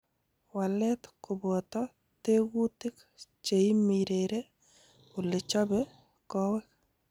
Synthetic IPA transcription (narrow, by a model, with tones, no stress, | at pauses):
wa˨lɛtkʊ˨bɔ˨t̪ɔ | te˦ɡu˦tɪ˦k | t͡ʃe˨i˦miɾeɾe˦ | ʊ˨lɪ˨t͡ʃɔ˦bɛ | kɔ˦wɛ˦k